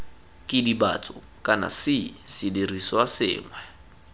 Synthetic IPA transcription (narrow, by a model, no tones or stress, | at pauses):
kʼɪdiba̰t͡sʼʊ | kʼana̰sɪsɪdiriswasɪ̰ːŋwɛ